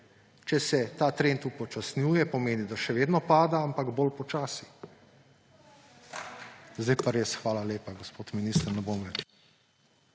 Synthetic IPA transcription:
t͡ʃɛsɛt̪aːt̪ɾeːnt̪upɔt͡ʃasnʲjuːjɛpɔmeːnid̪aʃɛʋeːd̪nɔpaːd̪aampaɡbolpɔt͡ʃaːsi̥ | zd̪ɛjpaɾeːsxʋaːlaleːpaɡospoːt̪miniːst̪əɾnɛbomɾɛt͡ʃ

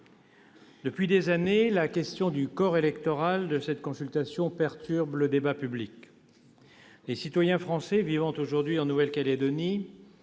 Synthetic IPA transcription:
d̪əpɥid̪ezanelakʲɛst̪jɔ̃d̪ykɔʁelɛkt̪ɔʁald̪əsɛt̪kɔ̃sylt̪asjɔ̃pɛʁt̪yʁbləd̪ebapyblik | lesit̪wajɛ̃fχɑ̃sɛvivɑ̃t̪oʒuʁd̪ɥiɑ̃nuvɛlkaled̪ɔni

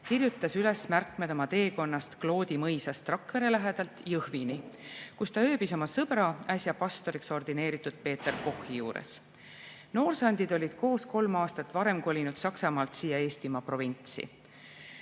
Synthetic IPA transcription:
kirjut̪ˑːɑsyle̞smærkˑme̞d̪̥o̞mɑt̪e̞ːko̞nːɑst̪klo̞ːd̪̥imɤjsɑst̪rɑkːeɾelæɦe̞d̪̥ɑlt̪jɤhvinikust̪ɑø̞ːb̥iso̞mɑsɤb̥ɾɑæsʲjɑpɑst̪o̞ɾikso̞rd̪ine̞ːɾit̪ːˑud̪̥̚pe̞ːt̪ːˑerko̞hijuːɾḛs | no̞ːrsɑnʲd̪̥id̪o̞lʲid̪̥ko̞ːsko̞lmɑːst̪ɑt̪ːˑvɑɾe̞mkolʲinud̪̥sɑksɑmɑːlt̪siːjɑe̞ːst̪imɑpro̞vinʲt̪sḭ

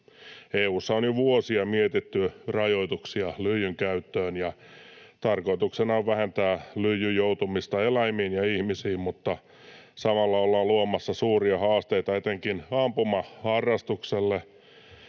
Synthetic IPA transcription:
eːuːsːɑonjoʋuosiɑmiet̪it̪ːyrɑjoit̪uksiɑlyjyŋkæyt̪ːøːnjɑ | t̪ɑrkoit̪uksenɑoʋʋæhent̪æːlyjːyjjout̪umist̪ɑelæimiːnjɑihmisiːmmut̪ːɑ | sɑmɑlːɑolːɑluomɑsːɑsuːriɑhɑːst̪eit̪ɑet̪eŋkinɑmpumɑhɑrːɑst̪ukselːe

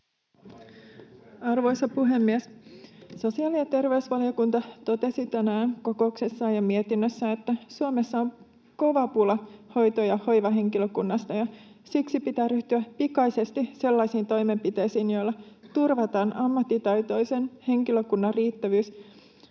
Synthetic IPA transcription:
ɑrʋo̞jsɑpuɦe̞mːiesso̞siɑːlijɑt̪e̞rʋe̞usʋɑliokunt̪ɑt̪o̞t̪e̞sit̪ænæːŋko̞ko̞ukse̞sːɑːjɑmie̞t̪inːøsːæe̞t̪ːæsuome̞sːɑon | ko̞ʋɑpulɑho̞jt̪ojɑho̞jʋɑɦe̞ŋkiløkunːɑst̪ɑjɑsiksipit̪æːryht̪yæpikɑjse̞st̪ise̞lːɑjsiːnt̪o̞jme̞mpit̪e̞jsiːnjo̞jlːɑ | t̪urʋɑt̪ɑːnɑmːɑt̪ːit̪ɑjt̪o̞jse̞nhe̞ŋkiløkunːɑrriːt̪ːæʋyːs

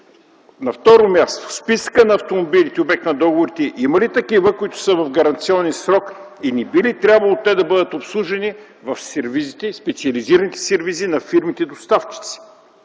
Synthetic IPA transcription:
nɐft̪ɔɾomʲast̪o̥spisə̥kənɐɐft̪omobilʲit̪ɛobɛk̚t̪nɐd̪ɔɡovʊɾit̪ɛʔimɐlit̪ɐkivəkʊit̪ʊ̥səvɐvɡɐɾɐnt̪siɔnɛnsɾɔk | inibilit̪ɾʲabvɐlˠot̪ɛd̪ɐbəd̪ət̪opslˠuʒɛni | vɐfsɛɾvizit̪ɛspɛt̪siɐliziɾɐnit̪ɛ̥sɛɾvizinɐfiɾmit̪ɛid̪ost̪aft͡ʃi̥t̪si̥

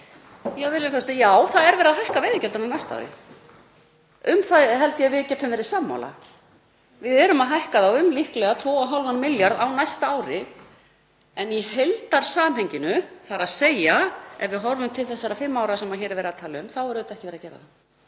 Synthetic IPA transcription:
jɛvɪɾlɪfɔst̪ɪjaːwθaðɛɾvɛːɾaðhajhkavɛjðɪcɛlt̪ananajst̪a̰wɾɪ̰ | ʏmθaðɦɛlt̪jɛvɪðcːɛt̪hʏmvɛːɾɪsaːmːa̰wla̰ | vɪðɛɾʏmaðɦajhkaðawʏmlihklɛɣat̪ʰvɔːɔɦalvanːmɪljaɾðawnajst̪aaːwɾɪ | ɛnjihejlt̪aɾ̥saːanɦɛjɲcɪnʏθaɾaðseːjaɛvvɪðɦɔɾvʏmt̪ʰɪlθɛsːaɾafɪmːawɾasɛmaçɛːɾɪvɛːɾaðt̪ʰaːlɪʏmθawɛɾʏðɪt̪ɛhcɪvɛːɾacɛːɾa̰θa

